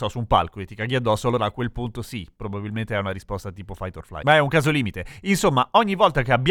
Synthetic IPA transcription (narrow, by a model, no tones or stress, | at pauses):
ɔsumpa̰lkoet̪ːikaɡiad̪ːɔsːoalːoːɾaːkːwelpunt̪osipɾobabilment̪eɛunaɾispɔst̪at̪iːpofajt̪orfla̰jmaɛuŋkaːzoliːmit̪einsomːaɔɲːivɔlt̪akeabːj